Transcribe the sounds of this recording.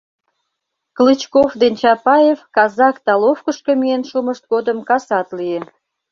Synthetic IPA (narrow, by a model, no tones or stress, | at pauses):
klɨt͡ɕkofd̪ent͡ɕɑpɑjefkɑzɑkt̪ɑlofkəʃkəmienʃuməʃt̪̚ɡod̪əmkɑsɑt̪lie